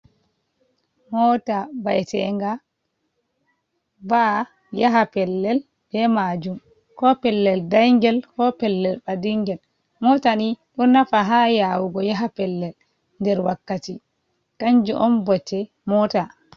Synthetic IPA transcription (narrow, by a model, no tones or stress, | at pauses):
mɔtabajɛtɛ̰ŋɡa | ba | jaɦapɛlːɛl | b̥ɛmad͡ʒum | kɔpɛlːɛldajŋɡɛlkɔpɛlːɛlɓadiŋɡɛl | mɔtaniɗɔnafaɦajawuɡɔjaɦapɛlːɛl | ndɛɾwakːati | kaɲd͡ʒuʔɔmbɔtːɛ | mɔːta